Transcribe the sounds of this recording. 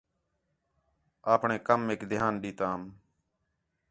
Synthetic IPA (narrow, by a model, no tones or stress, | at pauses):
aːpɳẽːkəmeːkd̪ʱɪjaːnɗiːt̪aːm